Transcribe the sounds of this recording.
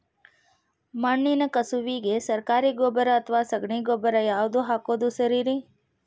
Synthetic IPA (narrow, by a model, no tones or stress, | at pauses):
maɳːinɐkəsuʋiɡesəɾkaːɾiɡoːbəɾəːt̪ʰʋasəɡɳiːɡoːbəɾəjaːʋd̪uɦaːkoːd̪usəɾiɾi